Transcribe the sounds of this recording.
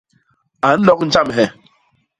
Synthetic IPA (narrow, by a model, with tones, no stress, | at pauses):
a˨n̩˦nɔ˦kn̩˦t͡ʃa˦m˨ɦɛ˨